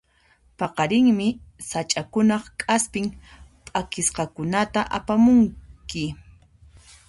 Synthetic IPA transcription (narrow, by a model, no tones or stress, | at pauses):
pɑqɑɾɪŋmɪsat͡ʃʼakʊnɑχkʼaspɪŋpʼakɪsqɑkʊnat̪aʔapamʊŋkɪ